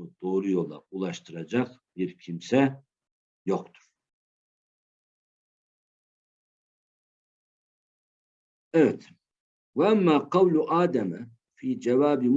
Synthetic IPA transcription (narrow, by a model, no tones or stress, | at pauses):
ud̪̥oːɾujɔlˠa̰ulˠaʃt̪ʰɯɾad͡ʒɑq | b̥iɾcʰimsɛ | jɔqt̪ʰu̥ɾ̥ | ɛvɛt̪ʰ | vaamːaqɑwluʔaːd̪ama | fiːd͡ʒavaːbim